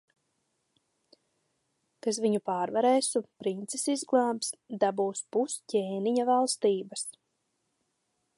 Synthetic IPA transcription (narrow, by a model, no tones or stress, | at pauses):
kas̬viɲupaːɾvaɾɛːsupɾint̪sesizɡlˠaːmps | d̪abuːspuscʲeːniɲavalˠst̪iːbas